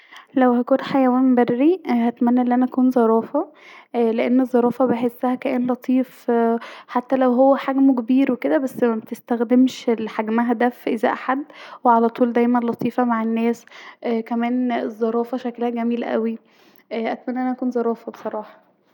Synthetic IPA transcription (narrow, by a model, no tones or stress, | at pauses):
læwhækuːnħajæwæːnbærːihæt̪mænːæʔenːʔænæʔækuːnzˤɑɾˤɑːfɑ | leʔenːezˤːɑɾˤɑːfɑbeħesːæhækæʔenlɑt̪ʰˤiːf | ħat̪ːælæwɦowːæħaɡmkebiːɾweked̪æbæsːmæmet̪est̪æxd̪emʃelħaɡmæɦæd̪æfʔezæ̰ʔaħad̪ːweʕalæt̪ˤuːld̪æjmænlɑt̪ˤiːfɑmaʕenːæːsʔkæmæːnezˤːɑɾˤɑːfɑʃæklhæɡæmiːlʔæ̰wi | ʔʔæt̪mænːæʔænæʔækuːnzˤɑɾˤɑːfɑbesˤɑɾˤɑːħɑ̥